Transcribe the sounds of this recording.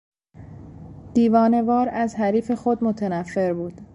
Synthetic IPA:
d̪̥iːvɒːne̞vɒːɾæzɦæɾiːfe̞xo̞d̪mot̪ʰænæfːe̞ɾbuːd̪̥

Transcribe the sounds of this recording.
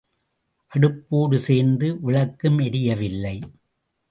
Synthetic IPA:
ʔɐɽɯpːoːɽɯseːɾnd̪ɯʋɪɭɐkːɯmɛɾɪjɐʋɪlːɐɪ

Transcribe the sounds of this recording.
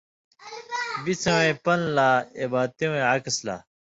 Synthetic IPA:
bit͡sʰɐwẽpɐnlaːebaːt̪ewẽakɐsla̰ː

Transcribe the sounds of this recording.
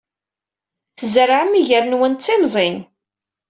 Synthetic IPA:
θəzɾaʕmːiʝəɾnwənt͡sːimzˤin

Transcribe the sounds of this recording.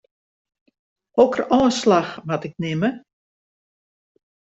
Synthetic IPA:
ɔkərɔːnslaxʋatɪk̚nɪmə

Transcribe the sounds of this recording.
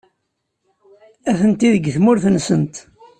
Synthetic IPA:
æθənt̪iðəɡθmʊɾθənsənt̪

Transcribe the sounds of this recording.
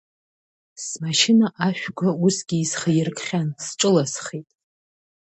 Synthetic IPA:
smaʃɪnaʔaʃᶣɡʷausɡʲiːsχajɪrkʰʼχʲansʈ͡ʂʼɨlasχitʼ

